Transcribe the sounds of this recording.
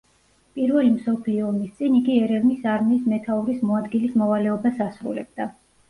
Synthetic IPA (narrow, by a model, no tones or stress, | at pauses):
pʼiɾvɛlimsɔpʰliɔːmist̪sʼiniɡiɛɾɛvnisaɾmiːsmɛt̪ʰauɾismɔad̪ɡilismɔvalɛɔbasasɾṵlɛ̰b̥̚d̪a